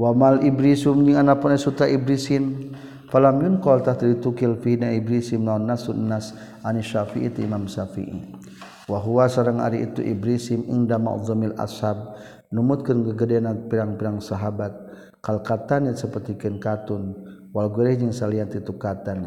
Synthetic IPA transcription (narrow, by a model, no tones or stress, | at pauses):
wamalibɾisumd͡ʒiŋanapunaisut̪ɾaibɾisin | falamjunkɔlt̪aht̪ilit̪ukilfihnaibɾisimnaunːasuʔnːas | ʔaniʃafiʔit̪uimamsafḭʔḭ | waɦuwasaɾaŋa̰ɾiʔit̪ṵʔḭbɾisimʔḭŋdama̰ʔðɔmila̰shab̚ | numut̪̚kənkəɡədɛnapiɾaŋpiɾaŋsaɦabat̪̚ | kalkat̪anisəpərt̪ikənkat̪un | walɡəɾɛhd͡ʒiŋsaliat̪it̪ukat̪an